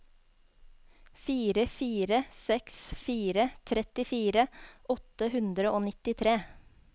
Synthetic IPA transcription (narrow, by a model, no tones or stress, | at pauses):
fiːɾəfiːɾəsɛksfiːɾət̪ʰɾɛt̪ɪfiːɾəʔɔt̪əhʉnd̪ɾəʔoːnɪt̪ɪt̪ʰɾeː